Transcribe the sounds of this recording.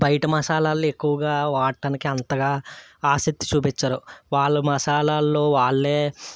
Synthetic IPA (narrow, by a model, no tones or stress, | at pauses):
bʱɐjʈɐmɐsaːlaːluekːuʋɐɡaːʋaːʈːɐnikiɐnt̪ɐɡaːaːsɐk̚t̪ːi̥t͡ʃuːpit͡ʃːaːɾuʋaːɭːɐmɐsaːlaːlːoːʋaːɭːe̞ː